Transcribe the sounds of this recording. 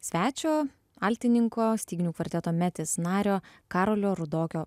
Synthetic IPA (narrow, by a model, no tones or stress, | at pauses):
sʲʋʲæːt͡ʃʲoː | ɐlʲt̪ʲɪnʲɪŋkoːsʲt̪ʲiːɡʲɪnʲuːkʋɐlʲɪt̪ʲɛt̪oːmʲæt̪ʲɪsnɑːɾʲoːkɑːɾoːlʲoːɾʊd̪oːkʲoː